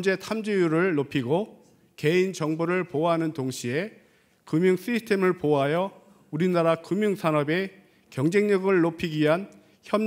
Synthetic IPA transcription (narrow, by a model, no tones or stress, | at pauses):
nd͡ʑe̞tʰamd͡ʑejuɾɯɭːopʰiɡo | ke̞int͡ɕʌŋboɾɯɭpoɦanɯntoŋɕʰie̞ | kɯmjuŋs͈isʰtʰe̞mɯɭpoɦajʌ | uɾinaɾakɯmjuŋsʰanʌbe̞ | kjʌŋd͡ʑe̞ŋɲʌɡɯɭːopʰiɡiɦan | çjʌm